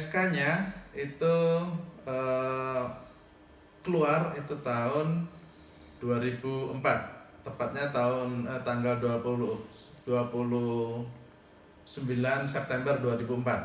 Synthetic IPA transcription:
skaɲait̪u | ə | kəluarit̪ut̪aʊn | d̥uaɾibuəmpat̪̚ː | əmpat̪̚ɲat̪aʊnət̪aŋɡalduapuluh | d̥uapulu | səmbilansɛp̚t̪ɛmbərduaɾibuəmpat̪̚

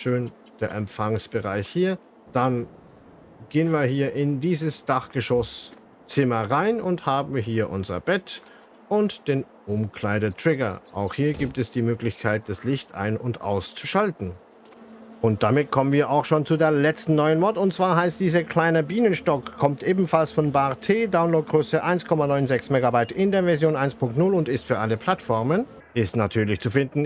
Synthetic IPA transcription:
ʃøːn | d̥eːɐʔɛmfaŋsb̥əʁaɪçhiːɐ | d̥an | ɡ̥eːənviːɐhiːɐʔɪndiːzəsd̥aχɡ̥əʃɔs | t͡sɪmɐʁaɪnʊnthaːbm̩vɦiːɐʔʊnzɐ̰b̥ɛt | ʔʊntd̥eːn | ʔʊmkʰl̥aɪɾətʁ̥ɪɡɐ̰ʔa̰ʊxhiːɐɡiːp̚tɛsd̥iːmøːklɪçkʰaɪt̚d̥aslɪçtʔa̰ɪnʊntʔa̰ʊst͡suʃaltn̩ | ʔʊnt̚d̥amɪt̚kʰɔmənviːɐʔaʊxʃoːnt͡sudeːɐlɛt͡stn̩nɔʏənmɔtʊntt͡sv̥aːɐɦaɪstd̥iːzɐkʰl̥aɪnɐbiːnənʃtɔkkʰːɔmtʔeːbm̩falsfɔnbaːʁtʰeːdaʊnloːt̚ɡʁøːsəʔaɪnskʰɔmanɔʏnzɛksmeːɡabaɪtɪndeːɐvɛɐzjoːnʔaɪnspʰʊŋk̚tnʊlʊntɪstfyːɐʔaləpʰl̥atfɔɐmən | ʔɪstnatʰyːɐlɪçt͡sufɪndn̩

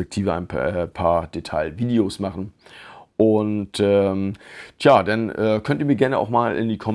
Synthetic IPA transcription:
ɛk̚tʰiːvəa̰ɪnɛːpʰaːɐd̥etʰaɪlviːdeosmaχn̩ʔʊntɛːmtʰjaːdanʔɛːkʰœntəiːmiːɐɡɛɐnəʔa̰ʊxmaːlʔɪ̰ndiːkʰɔm

